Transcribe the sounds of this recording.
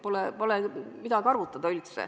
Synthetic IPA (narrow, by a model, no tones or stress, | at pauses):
polepolemid̪̥ɑɡɑrvut̪ːˑɑd̪ɑylt̪sḛ